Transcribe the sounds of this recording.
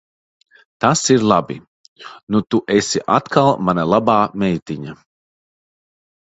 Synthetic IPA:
t̪asiɾlˠabḭ | nut̪uʔesʲiʔa̰t̪kʰalˠmanalˠabaːmɛjt̪iɲa

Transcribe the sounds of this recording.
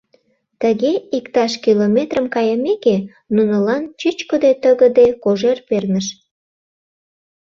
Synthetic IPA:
t̪əɣeikt̪ɑʃkilomet̪rəmkɑjəmeke | nunəlɑnt͡ɕyt͡ɕkod̪et̪əɣəd̪ekoʒerpernəʃ

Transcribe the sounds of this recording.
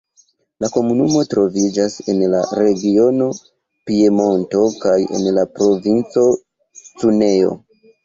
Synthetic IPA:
lako̞munumo̞tɾo̞vid͡ʒase̞nla̰ɾe̞ɡio̞no̞ | pie̞mo̞nto̞kaje̞̰nlapɾo̞vint͡so̞ | t͡sune̞o̞̰

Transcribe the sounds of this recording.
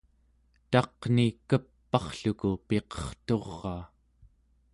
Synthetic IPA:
t̪ɑqnikəpːɑχɬukupe̞qʌ̥χt̪o̞ʁːɑː

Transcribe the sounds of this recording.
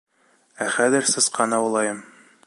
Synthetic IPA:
æχæðɘ̆ɾsɤ̆sqɑnɑwɤ̆lˠɑjɤm

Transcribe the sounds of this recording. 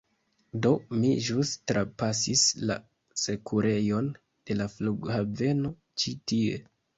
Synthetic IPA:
do̞miʒustɾapasisla̰ | se̞kʰuɾʔe̞jo̞n | d̥e̞lafluɡhave̞no̞ | t͡ʃitie̞

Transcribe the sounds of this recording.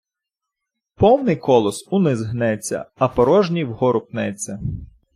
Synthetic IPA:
pɔwnɪjkɔlˠɔsʊnɪzɦnɛt͡sʲːɐ̰ɐpɔɾɔʒnʲiwɦɔɾʊpnɛt͡sʲːɐ

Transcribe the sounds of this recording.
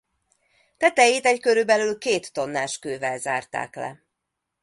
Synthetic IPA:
t̪ɛt̪ɛjiːt̪ɛckøɾybɛlylkeːt̪ːo̞nːaːʃkøːvɛlza̰ːrt̪a̰ːklɛ̰

